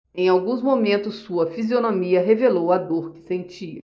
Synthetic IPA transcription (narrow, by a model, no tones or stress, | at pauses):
ẽj̃awɡũzmomẽnt̪ʊsːuɐfizionomiɐɦevelowɐd̪oɾkɪ̥sẽnt͡ʃiɐ